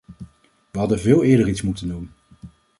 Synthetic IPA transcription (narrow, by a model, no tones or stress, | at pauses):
ʋəɦɑdənvɪːlˠɪːɹdəɹitsmutəndumə